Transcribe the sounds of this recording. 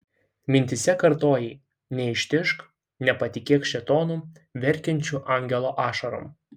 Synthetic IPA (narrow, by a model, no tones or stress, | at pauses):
mʲɪnʲt̪ʲɪsʲɛkɐɾt̪oːjɛɪ | nʲɛɪʃʲt̪ʲɪʃk | nʲɛpɐt̪ʲɪkʲeːkʃʲɛt̪oːnuː | ʋʲɛɾʲˑkʲɛnʲt͡ʃʲuʔɑˑŋʲɡʲɛlˠoːʔɑːʃɐɾo̰m